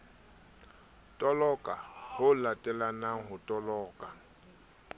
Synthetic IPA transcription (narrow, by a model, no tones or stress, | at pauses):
tʼɔlɔkʼahʊlatʼɛlanaɦʊtʼɔlɔːkʼa